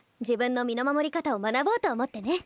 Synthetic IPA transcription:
d͡ʑibɯ̟̃nːo̞mʲino̞mamo̞ɾʲikat̪aomanaboːt̪o̞ːmo̞t̪ːe̞ne̞

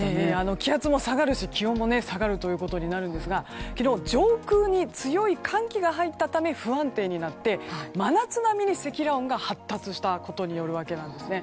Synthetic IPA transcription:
eano̞kʲihat͡sɨmo̞saɡaɾɯ̟ɕikʲiõ̞mːo̞ne̞saɡaɾɯ̟t̪o̞jɯ̟ːko̞t̪o̞ɲ̟inaɾɯ̟nd̪e̞sɨɡakʲino̞ːd͡ʑo̞ːkɯːɲ̟it͡sɨjo̞ikʰãŋkʲiɡaɦait̪ːat̪ame̞ɸɯ̟ãnt̪e̞ːɲ̟inat̪ːe̞manat͡sɨnamʲiɲ̟ise̞kʲiɾaõŋɡahat̪ːat͡sɨɕi̥t̪ako̞t̪o̞ɲ̟ijo̞ɾɯ̟βake̞nãnd̪e̞sɨne̞

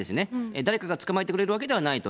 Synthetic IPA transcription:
e̞sɨne̞ed̪aɾe̞kaɡat͡sɨ̥kamaɾet̪ekɯɾe̞ɾɯ̟βak̬e̞d̪e̞β̞anait̪o

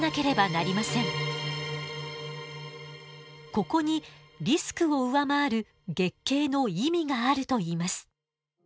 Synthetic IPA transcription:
nake̞ɾe̞banaɾʲimasẽ̞ŋ | ko̞ko̞ɲ̟iɾʲisɨ̥kɯ̟o̞ɯ̟βamaːɾɯ̟ | ɡe̞kːe̞ːno̞imʲiɡaːɾɯ̟t̪o̞iːmasɨ̥

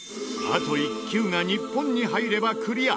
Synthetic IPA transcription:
a̰t̪o̞ikʲɨːŋaɲipːõ̞ɲ̟ːiɦaiɾe̞bakɯ̟ɾʲia

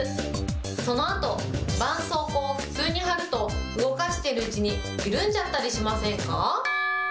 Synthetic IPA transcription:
ɨ | so̞no̞at̪o̞ | bãɰ̃so̞ːkoɸɯ̟̥t͡sɨːɲ̟ihaɾɯ̟t̪o̞ɯ̟ɡo̞kaɕi̥t̪e̞ɾɯ̟ɯt͡ɕiɲ̟i | iɾɯ̟̃ɲd͡ʑat̪ːaɾʲiɕimasẽ̞ŋka

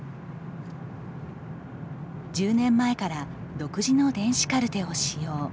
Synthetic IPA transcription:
d͡ʑɨːnẽ̞mːae̞kaɾad̪o̞kɯ̟ʑino̞d̪ẽ̞ɰ̃ɕi̥kaɾɯ̟t̪e̞o̞ɕijo̞ː

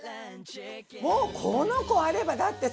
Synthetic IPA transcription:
moːkʰonoko̞aɾe̞bad̪at̪ːe̞

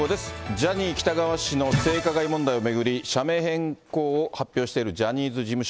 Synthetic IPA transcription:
od̪e̞sɨ̥d͡ʑaɲ̟iːkʲi̥t̪aɡaβaɕino̞se̞ːkaɡaimõ̞nd̪aio̞me̞ɡɯ̟ɾʲiɕame̞ːɦẽ̞ŋko̞ːhapʲːjo̞ːɕi̥t̪e̞iɾɯ̟d͡ʑaɲ̟iːzɨd͡ʑimɯ̟ɕ

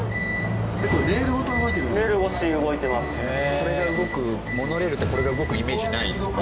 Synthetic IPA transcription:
d̪ekoɾɾeeɾɯ̟kot̪oɡoit̪eɾɾeɾɯɡoɕiɯɡo̞it̪e̞masɨ̥ | so̞ɾe̞ɡaɯ̟ɡo̞kɯ̟ | mo̞no̞ɾe̞ɾɯ̟t̪ːeko̞ɾe̞ɡaɯ̟ɡo̞kɯ̟ime̞ːʑinaisɨ

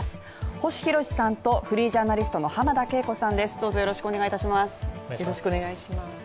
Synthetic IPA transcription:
s | ho̞ɕi̥çiɾo̞ɕi̥sãnt̪o̞ɸɯ̟ɾʲiːʑaːnaɾʲisɨ̥t̪o̞no̞hamad̪ake̞ːko̞sãnd̪e̞sɨ̥d̪o̞ːzo̞jo̞ɾo̞ɕi̥kɯone̞ɡait̪aɕimasɨ̥ɾoɕi̥koneɡaiima

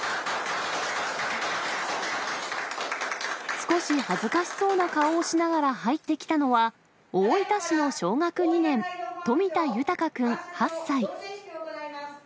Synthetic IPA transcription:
sɨ̥ko̞ɕihazɨkaɕi̥so̞ːnakaoːɕinaɡaɾahait̪ːe̞kʲi̥t̪ano̞βa | oit̪aɕino̞ɕo̞ːŋakɯ̟ɲ̟inẽ̞nt̪o̞mʲit̪ajɯ̟t̪akakɯ̟̃ɴ̃hasːai

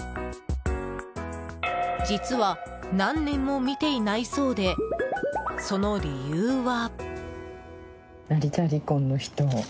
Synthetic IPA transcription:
d͡ʑit͡sɨβa | nãnːẽ̞mːo̞mʲit̪e̞inaiso̞ːd̪e̞ | so̞no̞ɾʲijɯːβa | naɾʲit̪aɾʲikõ̞nːoçi̥t̪o

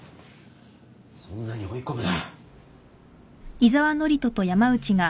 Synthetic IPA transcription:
sõnːaɲ̟io̞ikomɯ̟d̪a | izaβano̞ɾʲit̪o̞t̪o̞jamaɯ̟t͡ɕiɡa

